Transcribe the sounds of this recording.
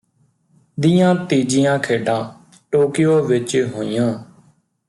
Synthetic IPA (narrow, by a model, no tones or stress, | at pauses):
d̪ɪjãːt̪iːd͡ʒɪjãːkʰeːɖãː | ʈoːkɪjoːʋɪt͡ʃɦoːijãː